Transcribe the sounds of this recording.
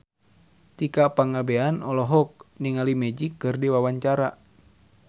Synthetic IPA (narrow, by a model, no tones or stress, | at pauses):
t̪ikapaŋabeanɔlɔɦɔk̚niŋalimɛd͡ʒikːɨrdiwawaɲt͡ʃaɾa